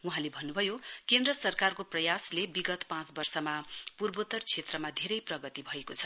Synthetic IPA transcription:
uɦãlebʱʌnːubʱʌjokend̪rʌsʌrkarkoprʌjaslebiɡʌt̪pãt͡sbʌrsʌmapurbot̪ʌrt͡sʰet̪rʌmad̪ʱeɾʌjprʌɡʌt̪ibʱʌekot͡sʰʌ̥

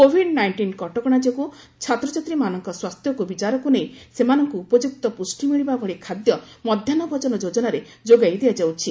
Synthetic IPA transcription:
kobʱiɖnajɳʈinkɔʈɔkɔɽ̃ad͡ʒɔku | t͡ʃʰat̪ɾɔt͡ʃat̪ɾimanɔŋkɔswast̪jɔkubit͡ʃaɾɔkunejsemanɔŋkuːpɔd͡ʒuk̚t̪ɔpusʈimiɭibabʱɔɭikʰad̪jɔmɔd̪ʱjanɔbʱɔd͡ʒɔnɔd͡ʒod͡ʒɔnaɾe | d͡ʒoɡajd̪ejad͡ʒawt͡ʃʰi

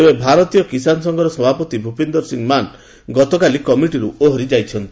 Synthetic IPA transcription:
ebebʱaɾɔt̪ijɔkisanɔsɔŋɡɔɾɔsɔbʱapɔt̪ibʱupend̪ɔɾsiŋman | ɡɔt̪ɔkalikɔmiʈiɾuoɦɔɾid͡ʒajt͡ʃʰɔnt̪i̥

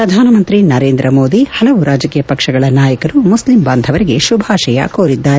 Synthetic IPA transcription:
pɾɐd̪ʱaːnɐmɐnt̪ɾinɐɾeːnd̪ɾɐmo̞ːd̪ihɐlɐʋuɾaːd͡ʒɐkiːjɐpɐkʂɐɡɐɭɐnaːjɐkɐɾumuslimbaːnd̪ʱɐʋɐɾiɡe̞ʃubʱaːʃɐjɐ̰koːɾid̪ːaːɾe

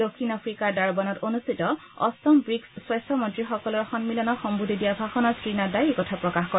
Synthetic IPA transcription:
dokʰːinapʰɹikaɹdaɹbanɔtonustitɔ | ɔ̰stɔmbɹiksswajstʰɔmɔntɹixɔkɔlɔɹxɔnmilɔnɔxɔmbudʱidijabʱaxɔnɔskɹinadajekɔtʰapɹɔkaxkɔɛ

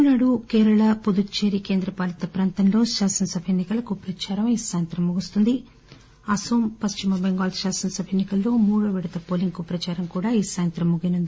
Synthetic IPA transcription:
naːɽukeːɾɐɭɐpud̪ut͡ʃeːɾikeːnd̪ɾɐpaːlɐt̪ɐpɾaːnt̪ɐnlo̞ːʃaːsɐnɐsɐbʱenːikɐlɐkupɾɐt͡ʃaːɾɐmɐjisaːjɐnt̪ɾɐmːuɡust̪und̪i | ɐsoːmpɐst͡ʃimɐbeŋɡaːlʃaːsɐnɐsɐbʱeːnːikɐlːo̞ːmuːɽɐʋɛɽɐt̪ɐpoːliŋkupɾɐt͡ʃaːɾɐmkuːɽaːiːsaːjɐnt̪ɾɐmːuɡinund̪i

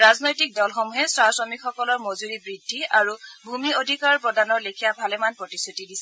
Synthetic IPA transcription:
ɹaznojtik̚dɔlxɔmuɦɛswasɔmikxɔkɔlɔɹmozuɹibɹidʱːiʔaɹubʱumiodʱikaɹpɹɔdanɔɹlekʰijabʱalɛmanpɹɔtisutidisɛ

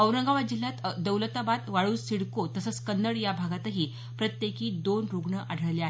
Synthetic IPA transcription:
əwɾəŋɡaʋad͡ʑilat̪d̪əwlət̪abat̪ʋaɭuːnsiɽkot̪əsət͡skənːəɽjabʱaɡat̪əɦiː | pɾət̪jekiːd̪onɾuɡɳəʔaɽʱəɭleaɦe

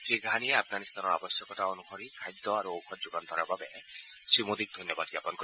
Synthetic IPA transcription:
seɡʱanieapʰɡanist̪anɔa̰bɔsjɔkɔʈaɔnuhɔɾikʰajd̪ːɔaɾuowkʰɔd͡ʒuɡant̪ʰɔɾabʱabe | simod̪ik̚d̪ʱɔnjɔbad̪bjapɔnkɔɾ

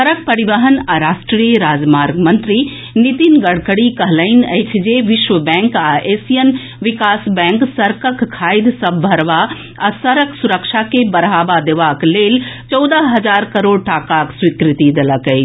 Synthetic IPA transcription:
sɐɾək̚pɐɾiʋəɦənɐɾaːʃʈɾijəɾaːd͡ʒmaːɾɡmɐ̃nt̪ɾi | nit̪inɡɐɽ̤kəɽikɐɦləɪnɐt͡ʃʰd͡ʒeʋɪʃʋəbɛ̃ːŋkaʔeːsijən | ʋɪkaːsbɛ̃ːŋksɐɾkəkkʰːaːɪd̪sɐbʱɐɾʋa | ɐsɐɾəksʊɾəkʃakebɐɾɦaːʋad̪eʋaːkleːlt͡ʃɔːd̪aɦɐd͡ʒaːɾkɐɾoːɽʈaːkaːkswikɾɪt̪id̪ɐləkəi

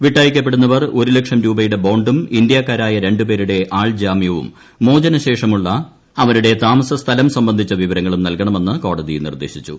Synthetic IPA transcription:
ʋiʈːaːjikʲːɐp̬ːeɽunːɐʋɐro̞ɾulekʂɐmɾuːbɐjuɽe̞bo̞ːɳɖumind̪ijaːkːaːɾaːjɐɾe̞ɳɖupe̞ːɾuɽe̞ʔaːɭd͡ʑaːmijɐʋṵmː | o̞ːd͡ʑɐnɐɕe̞ːʂɐmuɭːɐ | ɐʋɐnuɽe̞t̪aːmɐsɐst̪ʰɐlɐmsɐmbɐnd̪ʱit͡ɕːɐʋiʋɐɾɐŋːɐɭumnɐlkɐɳɐme̞nːɨko̞ːɽɐðijnḭrd̪eːɕit͡ɕːṵ

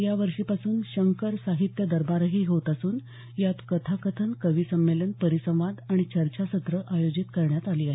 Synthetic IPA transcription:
jaʋəɾʂipasuːnɕəŋkəɾsaɦit̪jəd̪əɾbaɾɦiːɦot̪əsuːn | jat̪kət̪ʰakət̪ʰənkəʋiːsəmːelənpəɾisə̃ʋ̃ʋad̪aɽ̃it͡ɕəɾt͡ɕasət̪ɾəʔajod͡ʑit̪kəɾɳjat̪aliːaɦe

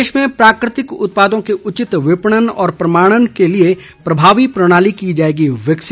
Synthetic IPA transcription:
eːʃmẽpɾaːkɾɪt̪ɪkʊ̰t̪̚paːd̪õkeʔʊt͡ʃɪt̪ʋɪpɽ̃ənɔ̰ːɾpɾɐmaːɽ̃ənkelie | pɾɐbʱaːʋipɾɐɽ̃aːlikiːd͡ʒaːeːɡiʋəkʃɪ

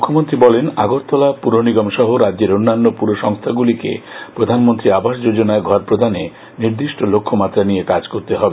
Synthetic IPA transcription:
mukʰːomont̪ɾibɔlena̰ɡoɾt̪ːɔlapuɾoniɡɔmʃɔɦoɾadd͡ʑeɾonːanːopuɾoʃɔŋst̪ʰaɡulikḛpɾod̪ʱanmont̪ɾiabʱaʃd͡ʑod͡ʑonaeɡʱɔɾpɾod̪ʱane | niɾd̪iʃʈʰolokʰːomat̪ːɾanijekad͡ʑkoɾt̪eɦɔbe

